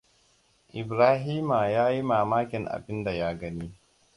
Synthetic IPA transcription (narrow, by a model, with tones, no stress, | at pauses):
ʔɪ˨bɾaː˦ɦiː˦ma˨jaː˦ji˦maː˨maː˦kʲɪ˨ŋʔa̰˨bɪ˦nda˨jaː˦ɡɐ˦niː˦